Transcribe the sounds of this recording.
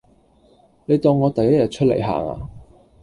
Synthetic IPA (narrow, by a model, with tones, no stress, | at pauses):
ne˨˧jt̪ɔː˧ŋːɔː˨˧t̪ɐ˨jɐ˥t̚jɐ˨t̚t͡ʃʰɵ˥t̚lḛ˨˩jɦa̰ː˨ŋa̰ː˧